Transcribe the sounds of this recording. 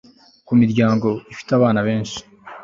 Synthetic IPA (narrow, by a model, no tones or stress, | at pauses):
kumiɾɟaːŋɡo̞ifi̥taβaːnaβe̞ːnʃi̥